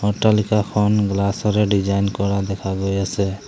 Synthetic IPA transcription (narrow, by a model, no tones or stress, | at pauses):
ɔʈalikakʰɔnɡlasɔɾɛɖid͡ʒajnkɔɾad̪ɛkʰaɡojasɛ